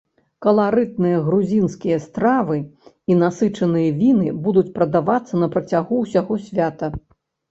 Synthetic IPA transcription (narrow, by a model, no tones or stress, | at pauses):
kɐlˠaɾɨt̪̚nɨjɐɣɾuzʲinskʲijɐst̪ɾavɨ | inasɨt͡ʂɐnɨjɐvʲinɨbud̪ut͡sʲpɾɐd̪avat̪sːɐnɐpɾɐt͡sʲaɣuːsʲaɣɔsʲvʲat̪ɐ